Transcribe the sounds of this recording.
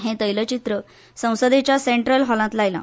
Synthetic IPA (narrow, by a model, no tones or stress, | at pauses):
ɦẽt̪əjlət͡ɕit̪ɾə | sə̃w̃səd̪et͡ɕjaseɳʈɾəlɦɔlãt̪lajlã̰